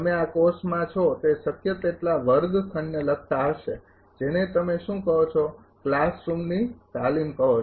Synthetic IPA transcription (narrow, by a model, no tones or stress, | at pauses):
əmeakoɾsmãt͡ʃʰot̪esəkjət̪eʈlaʋəɾd̪st̪ʰəɳːelək̚ʰt̪aəʃe | d͡ʒenet̪əmeʃũkəɦot͡ʃʰo | klasɾumnit̪alimkəɦot͡ʃʰ